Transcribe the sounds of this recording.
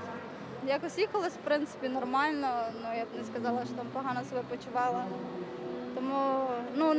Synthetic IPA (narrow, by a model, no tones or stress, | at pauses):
jakɔsʲjixɐlˠɐsʲwpɾɪnt̪sɪ̥pʲinɔrmɑlʲnɔnujabnɛskɐzɑlˠɐʃt͡ʃɔt̪ɑmpɔɦɑnɔsebɛpɔt͡ʃʊʋɑlˠɐ | t̪ɔmunu